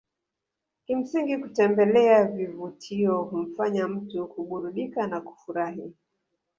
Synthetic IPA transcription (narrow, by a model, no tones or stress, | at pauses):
kim̩siŋɡikutɛmbɛlɛavivutʰiɔhum̩faɲam̩tukuɓuɾuɗikanaku̥fuɾaɦi